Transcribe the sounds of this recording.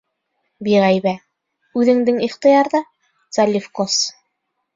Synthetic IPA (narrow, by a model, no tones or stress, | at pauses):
biʁæjβæ | ʉðɘ̆ŋd̪ɘŋiχt̪ɤ̆jɑɾðɤ | t̪salʲifkos